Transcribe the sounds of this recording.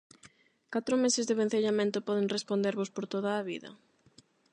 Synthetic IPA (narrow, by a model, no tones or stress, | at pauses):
kat̪ɾʊmesɪzðɪβen̟θeʎamẽnt̪opɔðeŋrespond̪eɾβospoɾt̪oð̞aːβiðɐ̰